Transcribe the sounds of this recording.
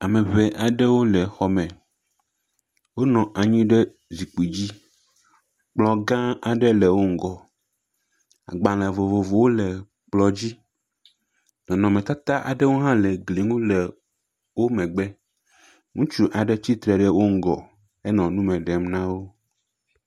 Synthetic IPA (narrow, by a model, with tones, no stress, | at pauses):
a˨mɛ̃˨βɛ˨ʔa˨ɖɛ˦wo˦lɛ˨xɔ˨mɛ̃˨ | wo˦nɔ̃˨ʔa˨ɲĩ˦ɖɛ˦ | zi˨k͡pi˨d͡ʑi˦ | k͡plɔ˨ɡã˦a˨ɖɛ˦lɛ˨wo˦ŋ̩˦ɡɔ˨ | a̰˨ɡ͡bã˨lɛ˨vo˨vo˨vo˨wo˦lɛ˨ | k͡plɔ˨d͡ʑi˦ | nɔ̃˨nɔ̃˨mɛ˨t̪a˦t̪a˦ʔa̰˨ɖɛ˦wo˦ɦã˦lɛ˨ɡli˨ŋũ˦lɛ˨ | wo˦mɛ̃˨ɡ͡bɛ˦ | ŋũ˦t͡ʃu˦ʔa˨ɖɛ˦t͡ɕi˦t̪ɾɛ˨ɖɛ˦wo˦ŋ̩˦ɡɔ˨ | ɛ˦nɔ̃˨nũ˦mɛ̃˨ɖɛ˨mnã˦wo˦